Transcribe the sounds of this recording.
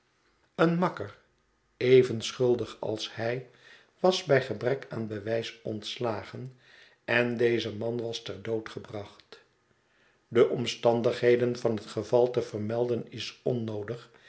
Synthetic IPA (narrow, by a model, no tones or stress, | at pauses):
ənmɑkər | ejvənsχɵlˠdəχɑ̰lˠshɛj | ʋɑzbɛjχəbrɛkaːnbəʋɛjsɔntslaːχən | ɛndejzəmɑnʋɑstɛɹdowtχəbrɑχt | dəʔɔmstɑndəχɦejdənvɑnɦətχəvɑlˠtəvərmɛlˠdənɪsɔnowdəχ